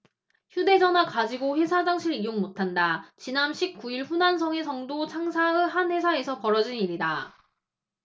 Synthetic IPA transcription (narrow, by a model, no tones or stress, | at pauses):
çjude̞d͡ʑʌnakad͡ʑiɡoɸwe̞sʰad͡ʑaŋɕʰiɾijoŋmotʰandat͡ɕinanɕʰik̚k͈uiɭɸunansʰʌŋe̞sʰʌŋdot͡ɕʰaŋsʰaɯɦanwe̞sʰae̞sʰʌpʌɾʌd͡ʑiniɾida